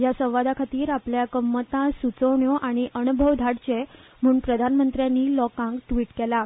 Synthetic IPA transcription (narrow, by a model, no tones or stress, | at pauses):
jasə̃w̃ʋad̪akʰat̪iːɾapljakəmːət̪ãsut͡səʋɳjoʔaɽ̃iʔənubʱəʋd̪ʱaɽt͡ɕem̤əuːnpɾəd̪ʱanmənt̪ɾjanːiːlɔkãŋɡʈʋiːʈkɛla